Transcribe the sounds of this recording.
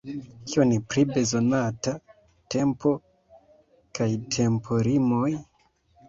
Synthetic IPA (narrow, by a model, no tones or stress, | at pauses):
kionipɾibe̞zo̞nata | te̞mpo̞ | kajtʰe̞mpʰo̞ɾimo̞j